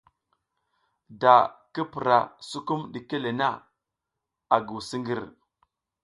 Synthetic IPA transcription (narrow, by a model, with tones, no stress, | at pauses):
da˨ki˦pu˨ɾa˨su˦ku˦mɗi˨ke˦le˨na˦˨ | a˨ɡu˨si˦ŋɡi˦˨ɾ